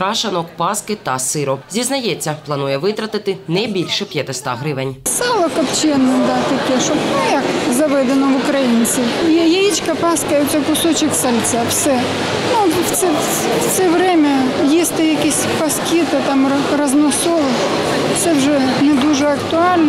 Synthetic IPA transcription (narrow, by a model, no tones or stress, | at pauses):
kɾɑʃɐnɔkpɑskɪt̪ɐsɪɾɔzʲiznɐjɛt͡sʲːɐplˠɐnujɛʋɪt̪ɾɐt̪ɪt̪ɪnɛjbʲilʲʃɛpʲjɐt̪ɪst̪ɑ̰ɦɾɪʋɪnʲsɑlˠɐkɐpt͡ʃɛnːɪd̪at̪ɐkʲiʂɔpnʊjakzɐʋɛd̪ɐnɔʋʊkɾɐjinsʲɪjejit͡ʃkɐpɑskɐjʊt̪sʲɛkʊsɔt͡ʃɪksɐlʲt̪safsɛ | nuft̪sɛ | sɛʋɾʲemʲɐjesʲt̪ɐjɐkʲisʲpɐskʲit̪ɪt̪amrɐznɔsɔʋ̪ˠɪ | fsɛwʐɛnɛd̪uʐɛɐkt̪ʊalʲn